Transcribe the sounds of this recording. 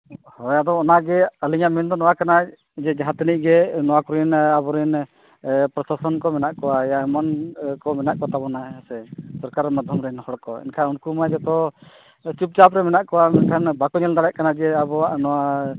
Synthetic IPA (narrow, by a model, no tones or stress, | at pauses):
hɔjad̪ɔɔnaɡɛaliɲamɛnd̪ɔnɔwakana | d͡ʒɛd͡ʒaɦãt̪iniʔ̚ɡɛnɔwakuɾɛnabɔɾɛn | pɾɔsasɔnkɔmɛnaʔkɔwajaɛmankɔmɛnaʔkɔt̪abɔnaasɛsɔɾkaɾmad̪ʱjɔmɾɛnhɔɽkɔɛ̰nkʰaunkumad͡ʒɛt̪ɔ | t͡ʃup̚d͡ʒapɾɛmɛnaʔkɔwamɛnkʰanbakɔɲɛld̪aɽɛʔ̚kanad͡ʒɛabɔaʔnɔwa